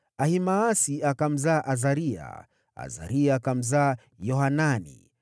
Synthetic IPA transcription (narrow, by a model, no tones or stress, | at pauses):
ahimaːsiakam̩zaːʔazaɾia̰ | a̰za̰ɾiakam̩zaː | jɔhananḭ